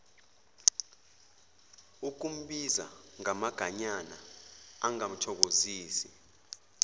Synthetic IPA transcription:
uk̬um̩ɓiza̰ŋamaɡ̥ʱaɲana̰aŋam̩tʰɔk̬oziːsi

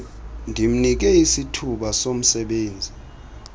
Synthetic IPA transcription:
ndʱim̩nik̬ɛisitʰuɓasom̩sɛɓeːnd͡zʱi

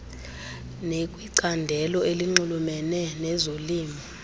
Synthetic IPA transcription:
nekʼwiǀandʱɛlɔeliŋ͡ǃulumɛnɛnɛzoliːmʱi

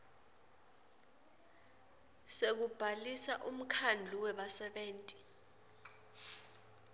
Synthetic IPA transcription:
sek̬ub̥ʱalisaʔum̩kʰand͡ɮʱuwɛɓasɛɓeːntʼi̥

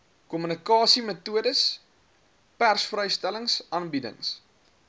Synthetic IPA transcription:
kɔmynikɑːsimətuədəs | pærsfrəjstæləŋsɑːnbidə̰ŋs

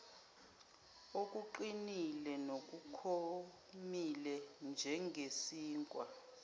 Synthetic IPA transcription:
ok̬ʼuǃinilɛnok̬ʼukʰo | milɛnd͡ʒʱɛŋʱesiːŋkʼwa

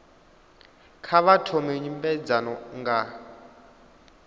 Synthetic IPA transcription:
kʰaβatʰɔmɛɲimbɛd͡zanɔŋɡa

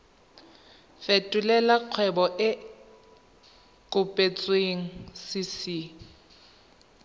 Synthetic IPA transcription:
fetʼʊlɛlaq͡χʰwɛbɔʔɪ | kʼʊpʼet͡sʼweŋ̩sɪsi

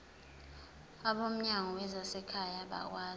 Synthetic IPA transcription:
aɓom̩ɲaŋɔwɛzasɛkʰajaɓa̰k̬waː

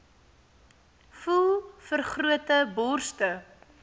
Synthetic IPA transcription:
fulˠfərχruətəbɔrstə

